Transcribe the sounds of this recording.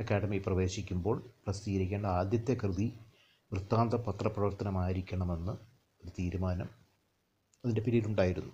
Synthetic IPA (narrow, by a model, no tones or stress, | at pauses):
ɐkaːɽɐmiprɐʋe̞ːɕikʲːumbo̞ːɭprɐst̪iːɐɾikʲːeːɳɖɐaːd̪jɐt̪ːe̞krɨði | ʋrɨt̪ːaːnd̪rɐpɐt̪rɐprɐʋɐrt̪ʰːɐnɐmaːjiɾikʲːɐɳɐme̞nːɨ | o̞ɾut̪iːɾumaːnɐm | ɐðindepiɾijiluɳɖaːjiɾunːu